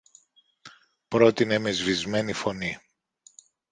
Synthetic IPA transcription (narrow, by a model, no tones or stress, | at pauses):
pɾo̞t̪inemezvizme̞nifo̞ni